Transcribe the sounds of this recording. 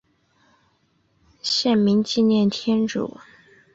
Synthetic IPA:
ɕjɛ˥˩nmi˧˥ŋt͡ɕi˥˧njɛ˥˩nt̪ʰjɛ˥nʈ͡ʂṵ˨˩˦

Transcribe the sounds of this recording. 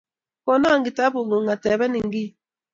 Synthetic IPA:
kɔ˨na˦˨ŋɡi˨ta˦bu˨ŋo˨ŋa˨tɛ˨βɛ˦ni˨ŋ˦ɡi˦˨

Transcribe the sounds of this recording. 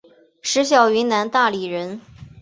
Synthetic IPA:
ʂɻ̩˧˥ɕjɑ˨˩ʊy˧˥nna˧˥nt̪a˥˩li˨˩ɻə˧˥n

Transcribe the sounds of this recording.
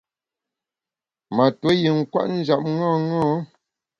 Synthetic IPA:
ma˨tə˨˦ji˨ŋ̩˦kwa̰˦ʔn̩˦d͡ʒa˨p̚ŋɔ̃˦ŋɔ̃ː˦

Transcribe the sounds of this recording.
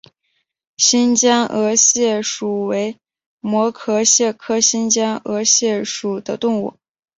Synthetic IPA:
ɕi˥nt͡ɕjɑ˥ŋɤ˧˥ɕjɛ˥˩ʂu˨˩we˧˥ɪ | mwɔ˧˥kʰɤ˥ɕjɛ˥˩kʰɤ˥ɕi˥nt͡ɕjɑ˥ŋɤ˧˥ɕjɛ˥˩ʂu˨˩d̪ə˦t̪ʊ˥˧ŋṵ˥˩

